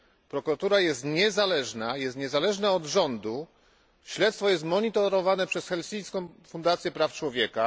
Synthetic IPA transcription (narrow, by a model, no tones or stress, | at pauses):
pɾɔkuɾat̪uɾajɛst̪ɲɛzalɛʐnajɛst̪ɲɛzalɛʐnɛɔd̪ʐɔnd̪u | ɕlɛt̪st̪fɔjɛs̬t̪mɔɲit̪ɔɾɔvanɛpʂɛsxɛlsʲij̃skɔ̃w̃fund̪at̪sʲjɛpɾaft͡ʂwɔvʲjɛka